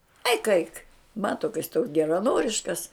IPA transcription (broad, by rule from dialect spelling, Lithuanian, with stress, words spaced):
ɐɪk ɐɪk ˈmɑːtoː kɐ jɪs toːks ɡʲɛrɐˈnoːrʲɪʃkɐs